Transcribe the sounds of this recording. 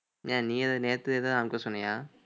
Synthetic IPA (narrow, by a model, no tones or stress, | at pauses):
jaːniːɐðɐneːt̪ːɯeːðaːnaːnɯkːosɔnːɐjaː